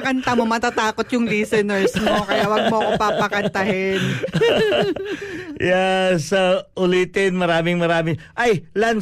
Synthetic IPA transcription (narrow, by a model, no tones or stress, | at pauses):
kɐnt̪ɐmomɐt̪ɐt̪aːkot̪jʊŋd̪iːsɛnɛɹsmokɐjaʔwɐɡ̚moɐkopapɐkɐnt̪ɐhɪn | jasɐʔʊliːt̪ɪnmɐɾaːmɪŋmɐɾaːmɪŋʔajlɐn